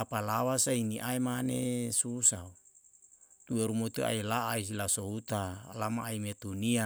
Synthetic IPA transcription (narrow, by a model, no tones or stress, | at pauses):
apalawasainiʔaimanesusau | t̪ueɾumot̪ea̰ilaais̬ilasout̪alamaːimet̪unia